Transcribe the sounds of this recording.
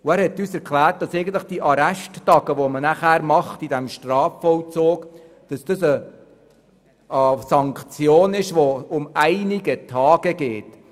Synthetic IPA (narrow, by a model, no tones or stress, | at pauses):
ʊæːɾhɛtːyːsɛɾkʰlæːɾt̚d̥ɑsɛɪɡən̩t̪ləχd̥iʔɑɾæʃtːɑɡ̥əʋɔmənæχæːɾmɑχtid̥ɛmʃtɾɑːfːɔwt͡soːk | d̥ɑsd̥ɑsə | sɑŋkt͡sjoːnɪʃʋoʊmæɪnɪɡətʰɑːɡ̥əɡ̥eːt